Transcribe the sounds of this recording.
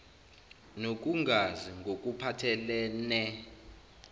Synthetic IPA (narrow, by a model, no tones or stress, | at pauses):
nok̬ʼuŋɡʱaziŋɡʱok̬ʼupʰatʰɛlɛːnɛ